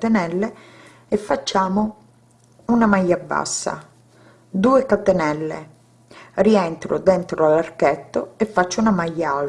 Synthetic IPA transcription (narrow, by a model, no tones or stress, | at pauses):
t̪enɛlːe | efːat͡ʃːaːmo | unamajːabːa̰sːa̰ | d̪uːekat̪enɛlːḛ | riɛnt̪ɾo̰d̪ɛnt̪ɾoalːarkɛt̪ːoefːat͡ʃːounamajːaal